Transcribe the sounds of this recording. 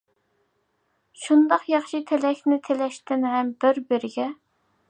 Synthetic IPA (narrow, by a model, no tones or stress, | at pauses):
ʃund̪ɑqjɑχʃit̪ʰelɛkʲnɪt̪ʰelɛʃt̪ɪnɦɛmbɪɾbɪɾɪɡʲɛ